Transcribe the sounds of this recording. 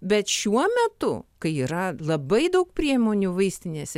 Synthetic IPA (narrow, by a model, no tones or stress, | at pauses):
bʲɛt̪ʃʲuɔmʲɛt̪ʊ̰kɐɪiːɾɐlˠɐbɐɪd̪ɐʊkpʲɾʲiɛmoːnʲuːʋɐɪsʲt̪ʲɪnʲeːsʲ